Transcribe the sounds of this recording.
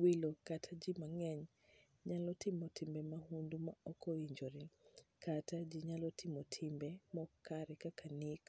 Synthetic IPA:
wilokatʰad͡ʒimaŋɛɲ | ɲalɔtɪmɔtʰimbɛmahundumaɔkɔiɲd͡ʒoɾikatad͡ʒɪɲalɔtʰɪmɔtʰimbɛmɔkʰaɾɛkakʰanik

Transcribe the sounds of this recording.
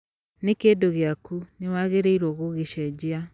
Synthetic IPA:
nekeːdoɣeakunewaːɣeɾeiɾoɣoɣeʃɛd͡ʑea

